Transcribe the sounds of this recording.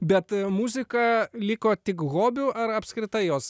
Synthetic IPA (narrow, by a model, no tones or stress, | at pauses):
bʲɛt̪muːzʲɪkɐlʲɪkoːt̪ʲɪkɣoːbʲʊʔɐɾɐpskɾʲɪt̪ɐɪjoːs